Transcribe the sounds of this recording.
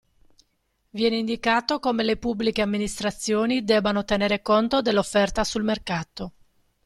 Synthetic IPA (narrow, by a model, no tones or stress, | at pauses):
vjɛːneind̪ikaːt̪okomelepubːlikeamːinist̪ɾat̪sːjoːnid̪ɛbanot̪eneːɾekont̪od̪elːofːɛrt̪asulmerkaːt̪o